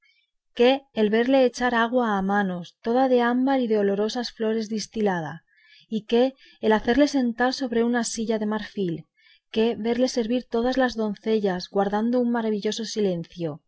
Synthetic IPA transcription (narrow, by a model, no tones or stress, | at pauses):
ke̞ːlβe̞ɾle̞ːt͡ʃaɾaɣ̞waːmano̞st̪o̞ðaðe̞ambaɾiðeo̞lo̞ɾo̞sasflo̞ɾe̞zðist̪ilað̞a | ike̞ː | laθe̞ɾle̞se̞nt̪aɾso̞βɾe̞unasiʎaðe̞maɾfil | ke̞βe̞ɾle̞se̞ɾβiɾt̪o̞ðazlazðo̞nθe̞ʎazɣwaɾðand̪ouŋmaɾaβ̞iʎo̞so̞sile̞nθjo̞